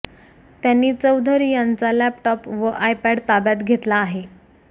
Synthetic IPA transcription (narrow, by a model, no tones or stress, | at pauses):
t̪janːiːt͡səwd̪ʱəɾijant͡salɛpʈɔpʋəʔajpɛɖt̪abjat̪ɡʱet̪laːɦe